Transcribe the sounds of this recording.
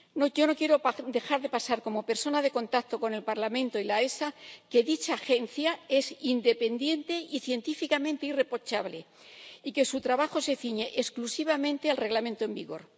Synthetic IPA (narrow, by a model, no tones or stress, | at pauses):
noʝo̞no̞kje̞ɾod̪e̞xaɾðe̞pasaɾko̞mo̞pe̞ɾso̞naðe̞ko̞nt̪akt̪o̞ko̞ne̞lpaɾlamẽnt̪oilae̞sake̞ðit͡ʃaːxe̞nθjae̞sind̪e̞pe̞nd̪je̞nt̪e̞ʔiθje̞nt̪ifikamẽ̞nt̪eire̞po̞t͡ʃaβle̞ | ike̞sut̪ɾaβaxo̞se̞θiɲe̞ʔesklusiβ̞amẽ̞nt̪ealre̞ɣlamẽnt̪oe̞mbiɣo̞ɾ